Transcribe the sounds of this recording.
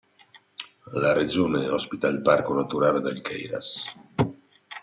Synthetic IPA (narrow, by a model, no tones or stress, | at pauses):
lared͡ʒoneɔspit̪aelbaɾkonat̪uɾald̪elkʰɛ̰jɾa̰s